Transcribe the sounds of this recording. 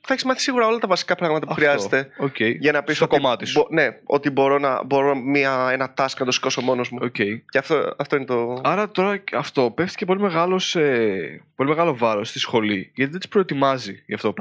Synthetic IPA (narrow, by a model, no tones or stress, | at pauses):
θɐçezmɐθi̥siɣuɾɐo̞lɐt̪ɐvɐsi̥kɐpɾɐɣmɐt̪ɐpuxɾiɐzet̪e̞oceiʝɐnɐpist̪okomɐt̪isbone̞o̞̰t̪ibo̞ɾo̞nɐ̰bo̞ɾomiɐenɐt̪ɐskɐnd̪osi̥ko̞so̞mo̞nozmuoce̞ieɐft̪oɐft̪o̞inet̪oɐɾɐt̪o̞ɾɐɐft̪o̞peft̪i̥cep̬o̞lime̞ɣɐlo̞sepo̞lime̞ɣɐlo̞vɐɾo̞st̪isxo̞liʝɐt̪iðed̪i̥spɾo̞et̪imɐziʝɐft̪oop